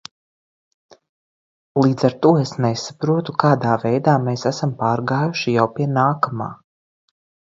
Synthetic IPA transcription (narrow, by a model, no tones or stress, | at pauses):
lˠiːd̪z̥aɾt̪uɔesnesapɾuɔt̪ukaːd̪aːvejd̪aːmeːsæsampaːɾɡaːjuʃijawpiɛnaːkama̰ː